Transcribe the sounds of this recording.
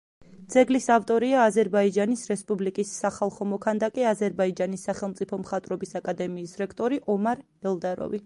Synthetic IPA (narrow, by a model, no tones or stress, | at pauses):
d̪z̥ɛɡlisavt̪ʼɔɾiaːzɛɾbaid͡ʒanisɾɛspʼublikʼisːaχalˠχɔmɔkʰand̪akʼiazɛɾbaid͡ʒanisːaχɛlˠmt̪sʼipʰɔmχat̪ʼɾɔbisakʼad̪ɛmiːsɾɛkʰt̪ʼɔɾiʔɔmaɾ | ɛlˠd̪aɾɔ̰vi